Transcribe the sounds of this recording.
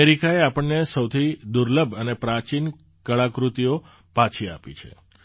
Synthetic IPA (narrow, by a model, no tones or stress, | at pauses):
eɾikaeapəɳnesəwt̪ʰid̪uɾləbʱənepɾat͡ʃin | kəɭakɾut̪ijo | pat͡ʃʰia̰pḭt͡ʃʰḛ